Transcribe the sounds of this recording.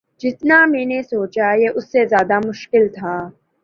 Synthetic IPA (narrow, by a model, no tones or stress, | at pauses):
d͡ʒɪt̪namẽːnesoːt͡ʃajeʔʊsːezjaːd̪amʊʃkɪlt̪ʰaː